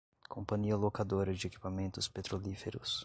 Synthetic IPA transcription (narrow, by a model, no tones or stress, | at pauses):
kʰõmpɐ̃ɲiɐlokad̪oɾɐd͡ʒɪeki̥pamẽnt̪ʊspet̪ɾolifeɾʊs